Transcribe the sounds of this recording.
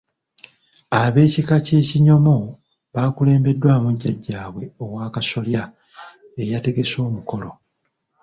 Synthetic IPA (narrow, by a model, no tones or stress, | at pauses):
aβe̞ːcikace̞ːciɲo̞mo̞ | βaːkule̞ːmbe̞dːwaːmuɟːaɟːaːβwe̞o̞waːkaso̞lja | e̞jate̞ɡe̞so̞ːmuko̞lo